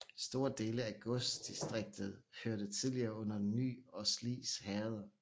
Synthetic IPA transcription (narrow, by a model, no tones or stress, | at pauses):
sd̥o̝ːɐd̥e̝ːləæɡ̥ɔsdd̥isd̥ʁeɡ̥̚d̥ð̞̩ˠhøɐɾ̥ət͡sʰiðˠliɐːɔ̽n̰ɐny̰ːɒ̽slḭːshɛɐð̞ˠɐ